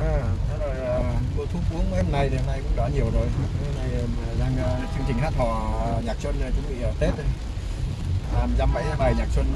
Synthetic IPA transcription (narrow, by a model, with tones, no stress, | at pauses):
ʔaː˨˩t̪ʰa˨˦zo˨˩jʔəː˨˩k̪o˧t̪ʰu˨˦p̚ʔu˨˦əŋə˨˦hmna˧jɗe˨˦na˧jkʊ̰˧˥ŋ͡mɗɔ˧˥ɲi˨˩əwzo˨˩je˨˧˦mna˧jzaː˧ŋː˧t͡ɕɨ˧əŋt͡ɕï˨˩ɦaː˦˥t̚hɔ˨˩˨ɲaː˨˩k̚swə˧nə˨˩t͡ɕʊ̰˧˥ŋ͡mɓḭ˧˨ʔəː˨˩t̪e˦˥t̚ | aː˨˩mzaː˧mɓə̰˧˥jɓaː˨˩jɲaː˨˩k̚swə˧n